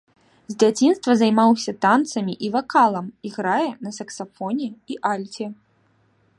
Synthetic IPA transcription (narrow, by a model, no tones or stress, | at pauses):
zʲd͡zʲat͡sʲinst̪vɐzajmawsʲɐt̪ant̪sɐmʲiʔivakalˠɐmiɣɾajɛnɐsɐksafɔnʲɛiʔalʲt͡sʲɛ